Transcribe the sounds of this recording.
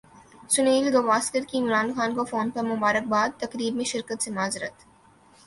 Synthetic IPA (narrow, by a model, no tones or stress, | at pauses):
sʊneːlɡɐʋaːskəɾkiɪmɾaːnxaːnkafoːnpɐɾmʊbaːɾək̚baːd̪̚t̪ɐkɾiːbmẽʃɪɾkət̪semaːzɪɾə̰t̪